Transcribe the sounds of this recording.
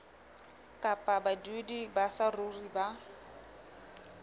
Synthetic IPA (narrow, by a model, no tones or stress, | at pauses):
kʼapʼabadedibasaruriba